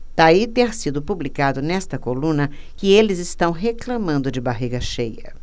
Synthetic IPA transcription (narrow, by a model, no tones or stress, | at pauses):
d̪̥ait̪ẽɾsid̪ʊpublikad̪ʊnɛst̪ɐkolũnɐ | kɪelɪzɪst̪ɐ̃w̃ɦeklɐmɐ̃nd̪ʊd͡ʒɪbaɦiɡɐʃejɐ̰